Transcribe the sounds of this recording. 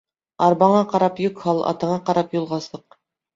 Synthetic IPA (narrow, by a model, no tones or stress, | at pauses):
ɑɾbɑɴɑqɑɾɑpjɵkhɑlˠʔɑ̰t̪ɤ̆ɴɑqɑɾɑpjulˠʁɑsɤq̚